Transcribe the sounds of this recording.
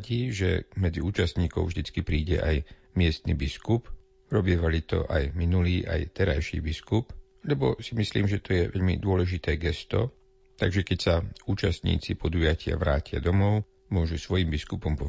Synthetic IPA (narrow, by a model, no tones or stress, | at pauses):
ɟiːʒɛ̰mɛd͡ziuːt͡ʃast̪ɲiːkɔ̰ʊvʒd̪it͡skipɾiːɟɛ̰ʔaj | mɪɛst̪nḭbiskup | ɾɔbiɛːʋalit̪ɔ̰ʔajminuliːʔa̰jt̪ɛɾajʃḭːbiskup | lɛbɔsimisliːmʒɛt̪ɔjɛʋɛʎmḭd̪ʊɔlɛʒit̪ɛːɡɛst̪ɔ̰ | t̪aɡʒɛkɛcsauːt͡ʃast̪ɲḭːt͡sipʰɔd̪ujacʰɪa̰ʋɾaːcɪa̰d̪ɔmɔʊ | mʊɔʒusʋɔjimbiskupɔmpɔ